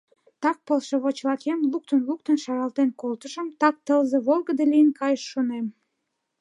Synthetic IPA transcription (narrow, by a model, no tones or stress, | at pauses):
t̪ɑk̚pəlʃeβot͡ɕlɑkemluk̚t̪ənluk̚t̪ənʃɑɾɑlt̪enkolt̪əʒəmt̪ɑk̚t̪əlzeβolˠɣəd̪elijənkɑjəʃːonem